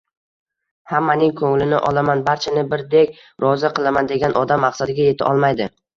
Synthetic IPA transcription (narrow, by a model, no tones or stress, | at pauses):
hamːanɪŋkʰɵŋlɪnɪʔɒlˠamanbaɾt͡ʃʰanɪbɪɾd̪ekʲ | ɾɒzaqʰɨlˠamand̪e̞ɡʲanʔɒd̪amːaqsad̪ɪɡʲaje̞t̪ʰɪʔɒ̰lˠmajd̪ɪ